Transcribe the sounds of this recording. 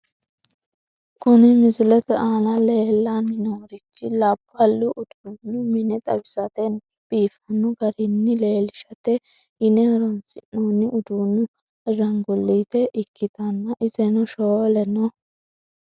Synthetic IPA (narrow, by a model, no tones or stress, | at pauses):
kʊnɪmɪzʊlɛt̪ɛaːlɐleːlːanːɪnoːɾɪt͡ʃːɪlabːɐlːʊʔʊd̪̥uːnːʊmɪnɛt̪ʼɐ̰bɪsɐt̪ɛn | b̥iːfɐnʊɡɐɾɪnːɪleːlɪʃɐt̪ɛ | ɪnɛɾɔnsɪnːoːnːɪʔʊd̪uːnʊ | ɐʒɐŋɡʊlːiːt̪ɛʔɪkʰːɪt̪ɐnːɐʔɪzɛnɔʃoːlɛnɔ